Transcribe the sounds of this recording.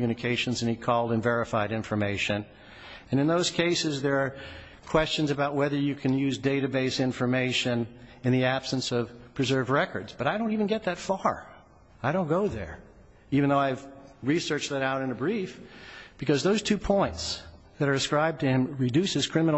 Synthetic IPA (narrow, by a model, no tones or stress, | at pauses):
mjʉñɨkʰeɪʃɨ̃nzɨ̃nikʰɔlˠdɨ̃nvɛɹɨfaɪɾɪ̃ɱfə˞meɪʃɨ̃n | ɨ̃nɨ̃nðoʊz̥kʰeɪsɨzðə˞ː | kʰw̥ɛst͡ʃɨ̃nzɨbaʊt̚wɛðə˞jɨkʰɨ̃njʉzdeɪɾɨbeɪsɪ̃ɱfə˞meɪʃɨ̃nɨ̃nðiæb̥sɨ̃nsʌv̥pʰɹ̥ɨzɜ˞vɹɛkə̰˞dzb̥ʌɾaɪɾõʊ̃ntivɨ̃nɡɛt̪̚ðɨtfɑɹ | aɪɾõʊ̃nɡ̥oʊðə̰˞ | ivɨ̃n̩ðoʊaɪvɹisɜ˞t͡ʃðɨɾaʊɾɨ̃nɨbɹifb̥ɨkʌzðoʊz̥tʰʉpʰɔ̃ɪ̃nts | ðɨɾə˞ɨskɹaɪb̚tɨɨ̃mɹɨdʉshɨz̥kʰɹ̥ɪ̃mən